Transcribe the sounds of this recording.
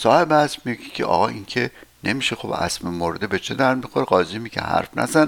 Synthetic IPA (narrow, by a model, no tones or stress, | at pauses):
sɒːhe̞bæsmiɡicʲʰeʔɒ̰ːɣɒːʔiŋcʰene̞miːʃexobæ̰smemoɾd̪ebet͡ʃʰed̪æɾmixoɾeɢɒːziːmiɟæ̰hæ̰ɾfnæ̰zæn